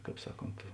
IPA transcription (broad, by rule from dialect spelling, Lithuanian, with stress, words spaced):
ˈkɑːp ˈsɑːˌkoːnt